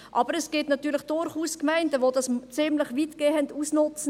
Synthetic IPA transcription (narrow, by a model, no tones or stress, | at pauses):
ʔɑb̥əɾɛsɡ̥ɪtnɑtyːɾləχd̥ʊɾχuːskmæɪntəʋodɑst͡sɪmləχʋitɡ̥eːənduːsnʊt͡sə